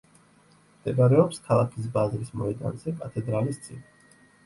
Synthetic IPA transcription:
md̪ɛɡaɾɛɔpskʰalˠakʰis̬bazɾismɔɛd̪a̰nz̥ɛkʼat̪ʰɛd̪ɾalist̪sʼḭni

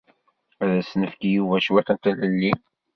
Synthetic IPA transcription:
æðæsnəfkijuvæʃwæt̪ænt̪æləlːi

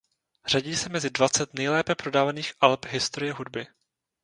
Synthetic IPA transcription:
r̝̥aɟiːsɛmɛzɪdvat͡sɛt̪nɛjlɛːpɛpɾo̞daːvaniːxʔalpɦɪst̪oɾɪjɛɦudbɪ

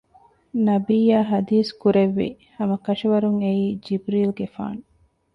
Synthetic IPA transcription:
nɐbiːjaːɦɐd̪iːskuɾeʋːḭ | hɐmɐkɐʃiʋɐɾuŋeiːd͡ʒibɾiːlɡefa̰ːn

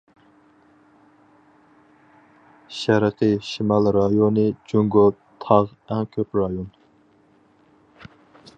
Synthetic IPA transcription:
ʃæɾqʰəʃimɑlɾɑjonɨd͡ʒyŋɡo | t̪ʰɑʁ | ɛŋkʲʰøpɾɑjon

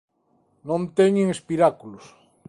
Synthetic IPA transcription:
nõnt̪eɲeŋespiɾakulos

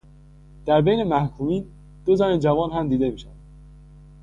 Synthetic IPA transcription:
d̪̥æɾbe̞jne̞mæhkʰuːmiːn | b̥̪ozɒɾind͡ʒævɒːnɦæmd̪iːd̪emiːʃævæd̪̥

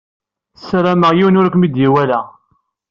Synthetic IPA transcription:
sɾæməʁjiwnʊɾkʷmid̪jiwælæ

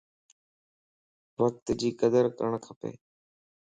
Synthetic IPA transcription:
ʋək̚t̪d͡ʑiːkəd̪əɾkəɳkʰəpḛː

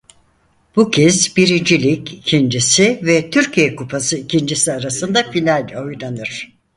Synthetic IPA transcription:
b̥ucʰɛzbiɾind͡ʒilʲicʰicʰind͡ʒisivɛt̪ʰyɾcʰijɛkupʰasɯicʰind͡ʒisiaɾasɯnd̪afinalʲo̞jd̪anɯɾ̥

